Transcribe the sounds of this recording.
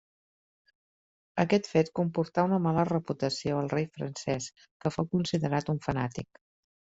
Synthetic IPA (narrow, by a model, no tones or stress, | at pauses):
əkɛt̪fet̪kumpuɾt̪aunəmalərəput̪əsioəlˠrejfɾə̰nsɛs | kəfowkunsiðəɾat̪uɱfənat̪ik